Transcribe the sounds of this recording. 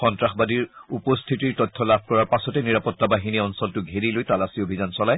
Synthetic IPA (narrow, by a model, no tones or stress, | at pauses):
ɔntɹaxbadiɹupɔstʰitiɹtɔtʰːɔlabʱkɔɹaɹpasɔtɛniɹapɔtːabaɦiniɔnsɔltʊɡʱeɹilojtalasiobʱizansɔlaj